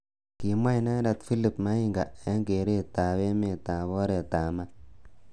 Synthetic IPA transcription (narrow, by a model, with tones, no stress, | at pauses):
ki˨ma˦jna˦na˨t̪fi˦li˨pma˦i˦ŋɡa˨e˦ŋɡe˨ɾe˦˨ta˨we˦me˨ta˨βɔ˦ɾe˨ta˨ma˦